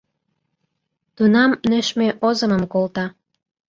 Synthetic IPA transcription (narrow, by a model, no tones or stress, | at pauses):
t̪unɑmnøʃmeʔozə̆məmkolt̪ɑ